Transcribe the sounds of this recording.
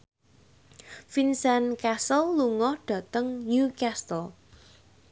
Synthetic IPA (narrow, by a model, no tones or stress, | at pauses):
finsankasəlːuŋɔhɖ̥a̤t̪əŋnukast̪əl